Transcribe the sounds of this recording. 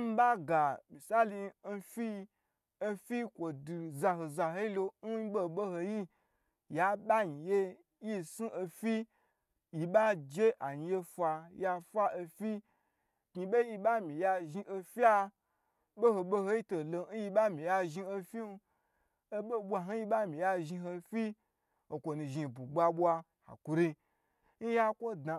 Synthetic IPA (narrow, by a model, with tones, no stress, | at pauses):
m̩˦ba˦ɡa˨mi˨sa˦li˧n̩˦˧fi˦˧ | e˧fi˦kʷo˨du˨za˧ɦo˨za˨ɦo˦i˦lo˧n̩˦ɓo˦˨ɓo˦ho˧ji˦ | ja˨˦ɓa˦ɲi˨je˦ | ji˦su˦ʔo˧fi˦ | ji˨ba˦d͡ʒe˦ʔa˨ɲ˨˧je˧fa˧ja˧fa˦o˧fi˦˨ | ki˧be˦ji˧ɓa˦mĩ˨ja˧ʒi˧ʔo˧fi˦a˦ | bo˦ho˧ɓo˦ɦo˧˦ji˦to˨lo˧˦n̩˦ji˧ɓa˦mĩ˨ja˧ʒi˧o˧fi˦˧ | e˦ɓo˦bʷa˧ɦo˦ji˧˦ɓa˦mĩ˨ja˧ʒi˧ɦo˧fi˦ | o˨kʷo˨nũ˨ʒi˧˨bu˨ɡ͡ba˧ɓʷwa˧ | ha̰˨ku˨ɾi˧ | n̩˦ja˦kʷo˦da˨